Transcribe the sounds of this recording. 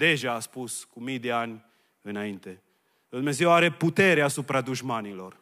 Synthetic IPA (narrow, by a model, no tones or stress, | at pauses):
d̪e̞ʒaːspuskumijd̪e̞anʲ | ɨnaint̪e̞ | d̪umneze̞waɾe̞put̪e̞ɾeasupɾad̪uʒmanilo̞r